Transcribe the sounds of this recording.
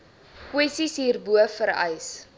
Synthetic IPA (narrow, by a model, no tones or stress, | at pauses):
kwɛsisɦiːrbuəfəɾɛ̰js